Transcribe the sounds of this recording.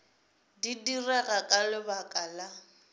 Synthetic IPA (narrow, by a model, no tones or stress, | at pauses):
didiraɣakʼalɪbakʼala